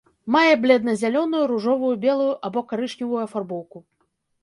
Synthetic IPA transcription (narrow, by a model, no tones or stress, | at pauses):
majɛblʲɛd̪nɐzʲalʲɔnujuɾuʐɔvujubʲɛlˠujuʔabɔkaɾɨʂnʲivujuɐfarbɔwku